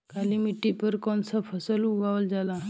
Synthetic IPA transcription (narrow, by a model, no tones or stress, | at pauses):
kalimiʈːipəɾkɔnsapʰəsəluɡaʋəld͡zala